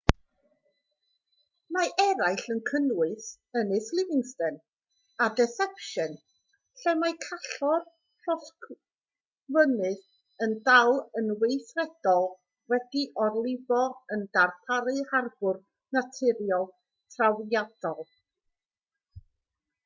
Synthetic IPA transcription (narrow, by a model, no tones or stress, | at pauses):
maʔɛɾajɬənkʰənwɪθ | ənɨslˠɪvɪŋstɛn | adɛθɛpʃən | ɬɛmakʰaɬɔr | pʰrɔsk | vənɨð | əndawlˠənwejθrɛd̥ɔlˠ | wɛdiʔɔrlˠɪvɔənd̥arpʰaɾɨharbʊr | natʰɪɾjɔlˠ | tʰrawjad̥ɔlˠ